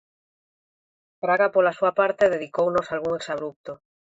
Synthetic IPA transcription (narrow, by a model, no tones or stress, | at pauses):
pɾaɣapolasuapaɾt̪eðeð̞ikownosalɣuŋeksaβɾup̚t̪o